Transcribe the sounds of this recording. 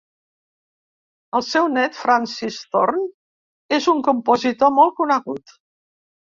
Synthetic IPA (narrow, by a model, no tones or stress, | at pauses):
əlˠsɛwnɛt̪fɾansist̪orn | ezuŋkumpozit̪omɔlˠkunəɣut̪